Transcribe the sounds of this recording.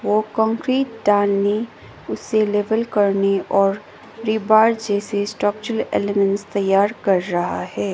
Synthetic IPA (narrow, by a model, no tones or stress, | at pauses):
ʋoːkɔ̃ːŋkɾiːʈ̚ɖaːlne | ʊsːeleːʋəlkɐɾneʔɔːɾ | ɾiːbaːɖd͡ʒɛːsesʈɾɔːk̚t͡ʃɾəlḛːlemə̃nʈst̪ɐjːaːɾkɐɾːɐɦa̰hɛː